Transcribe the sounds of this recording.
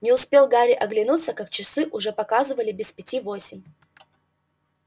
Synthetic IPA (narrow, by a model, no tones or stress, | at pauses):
nʲɪʊspʲe̞lˠɡaɾʲɪʔɐɡlʲɪnut̪səkak̚t͡ɕɪsɨʔʊʐɛpɐkazɨvəlʲɪbʲɪspʲɪtʲivosʲɪmʲ